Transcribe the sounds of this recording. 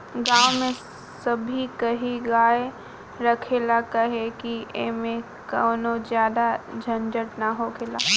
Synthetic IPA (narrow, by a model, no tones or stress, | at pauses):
ɡaːwmẽ | sɐbʱikɐɦiɡaːe | ɾɐkʰeːlakɐɦekiʔḛmẽ | kɐnozjaːd̪ad͡ʒʱɐnd͡ʒəʈnaɦokʰeːlaː